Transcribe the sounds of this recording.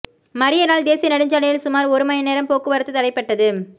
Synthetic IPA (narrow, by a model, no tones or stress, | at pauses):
mɐɾɪjɐnaːld̪eːsɪjɐnɐɽɪɲd͡ʒaːlɐjɪlsʊmaːɾɔɾɯmɐjɐneːɾɐmpoːkːɯʋɐɾɐt̪ːɯt̪ɐɽɐɪpːɐʈːɐðɯ